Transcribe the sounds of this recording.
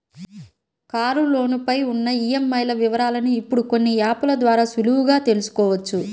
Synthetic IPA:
kaːɾulo̞ːnipɐjunːɐiːjemːɐjlɐʋiʋɐɾaːlɐnuːpːuɽuko̞nːijaːpulɐd̪ʋaːɾaːsuluwuɡaːt̪e̞lusu̥kɔːʋɐt͡ʃːu

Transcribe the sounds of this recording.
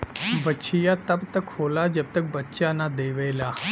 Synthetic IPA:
bətːt͡ʃijat̪ɐbt̪ɐkhoːlad͡ʒɐb̚t̪ɐk̚bɐtːʃanad̪eːʋeːlaː

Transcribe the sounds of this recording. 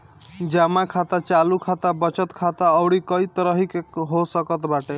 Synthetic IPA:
d͡ʒamakʰat̪at͡ʃalukʰat̪abʌt͡ʃʌt̪kʰat̪aʌwɽikʌit̪ɾʌɦikɦosʌkʌt̪baʈe

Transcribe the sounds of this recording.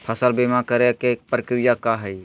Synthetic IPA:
pʰəsəlbemakəɾekepɾəkɾɪjakaɦɛi

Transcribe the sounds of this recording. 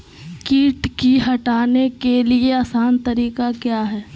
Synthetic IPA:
kiːʈkiɦɐʈaːnekelieaːsaːnt̪ɐɾiːkakjaːɦɛː

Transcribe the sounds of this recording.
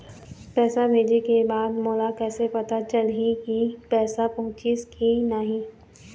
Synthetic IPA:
pɛːsabʱeːd͡ʒekebaːd̪moːlakɛːsepɐt̪at͡ʃɐlɦikipɛːsapɐɦʊ̃t͡ʃiskinaɦĩː

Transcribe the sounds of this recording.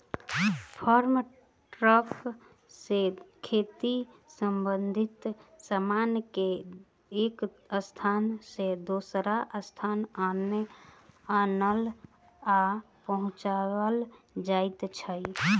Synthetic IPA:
pʰəɾm | ʈɾəpʰ | sekʰet̪i | səmbənd̪ʱit̪samanke | eːk | əst̪ʰansed̪osɾaʔəst̪ʰanane | anəl | a | pəɦʊ̃t͡ʃawəl | d͡ʒaɪt̪t͡ʃʰəi

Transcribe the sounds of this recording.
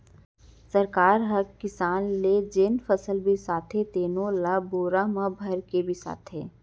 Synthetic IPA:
sɐɾkaːɾɦɐkkːɪsaːnled͡ʒeːnfəsəlbʱisaːt̪ʰɦet̪eːnõlaboːɾamãbʱɐɾkebʱisa̰ːt̪ʰɦɛː

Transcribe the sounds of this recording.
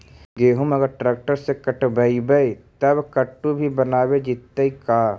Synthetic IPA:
ɡeːɦʊməɡəɾʈɾeːk̚ʈəɾsekəʈbəibəit̪ɐbkəʈːubʱibɐnaːwed͡ʒɪt̪ːəikaː

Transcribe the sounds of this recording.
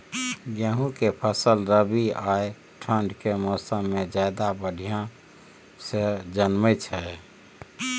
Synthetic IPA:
ɡeɦũkepʰəsəlɾəbiae | ʈʰəɳɖkemɔːsəmːed͡ʒad̪abəɽʱijã | sed͡ʒənmət͡ʃʰɛ

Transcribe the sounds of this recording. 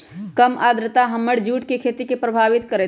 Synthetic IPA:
kəmad̪ʱɾət̪aɦəmːəɽd͡ʒuʈkekʰet̪ikepɾəbʱaʋit̪kəɾɛt̪

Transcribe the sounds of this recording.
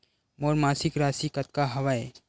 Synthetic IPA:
moːɾmaːsɪkɾaːsikɐt̪̚kaɦɐʋae

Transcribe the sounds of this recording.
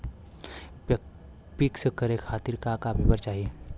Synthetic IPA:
pɪkskəɾekʰaːt̪iɾkakabʱibəɾt͡ʃaːɦie

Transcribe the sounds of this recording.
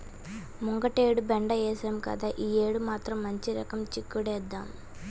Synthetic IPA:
muŋɡɐʈeːɽubeɳɖɐɛːsɐmkɐ̰d̪aʔiːeːɽumaːt̪ɾɐmːɐɲt͡ʃiɾɐkɐmt͡ʃikːuɽɛːd̪ːa̰ːm

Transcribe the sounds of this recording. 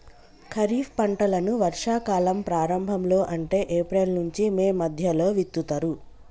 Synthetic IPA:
kʰɐɾiːfpɐɳʈɐlɐnuʋɐɾʂaːkaːlɐmpɾaːɾɐmbʱɐmlo̞ːʔɐɳʈe̞ːʔeːpɾeːlnuɲt͡ʃimeːmɐd̪ʱjɐlo̞ːʋit̪ːut̪ɐɾu

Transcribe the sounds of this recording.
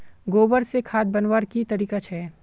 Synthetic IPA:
ɡoːbəɾsekʰaːd̪̚bɐnwaːɾkit̪ɐɾiːkat͡ʃʰɛː

